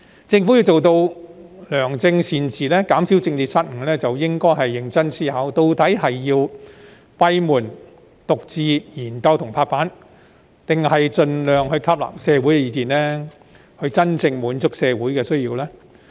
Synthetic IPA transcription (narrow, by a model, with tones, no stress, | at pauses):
t͡sɪ˧ŋfu˨˥ji˧wt͡so˨wt̪o˧wlœː˨˩ŋt͡sɪ˧ŋsiː˨nt͡sʰiː˨lɛː˥kaː˨˥msiː˨˥wt͡sɪ˧ŋt̪iː˨t̚saː˧˥t̚ŋ̩˨˩lɛː˥t͡sɐ˨wjɪ˥ŋkɔː˥jɦɐ˨jːɪ˨˧ŋt͡sɐ˥nsiː˥hɐː˨˥wt̪o˧wt̪ɐ˨˥jhɐ˨jːiː˧w | pɐ˧jmuː˨˩n | t̪ʊ˨k̚t͡siː˨˧jiː˨˩nkɐ˧wt̪ʰʊ˨˩ŋpʰaː˧k̚paː˨˥n | t̪ɪ˨ŋhɐ˨jt͡ʃɵ˧nlœː˨ŋhɵ˧kʰɐ˥p̚la̰ː˨˩psɛː˧wu˨˥jkɛ˧jiː˨˧kiː˨˩nlɛː˥ | hɵ˧ɥt͡sɐ˥nt͡sɪ˧ŋmuː˨˥nt͡sʊ˥k̚sɛː˧wuː˨˥jkɛː˧sɵ˥ɥjiː˧wlɛː˥